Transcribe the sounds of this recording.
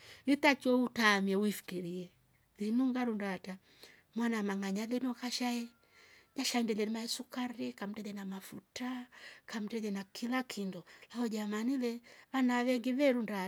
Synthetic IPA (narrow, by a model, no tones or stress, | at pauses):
litat͡ʃɔutamiɛwifi̥kiɾiɛ | ðinuŋɡaɾundata | mwanamaŋaɲaðinɔkaʃaɛ | ɲaʃaɛndɛlɛnimaɛsukaɾikam̩tɛlɛnamafutakam̩tɛlɛnakʰilakʰindɔlahɔd͡ʒamanilɛβanaβɛŋɡiβɛɾunda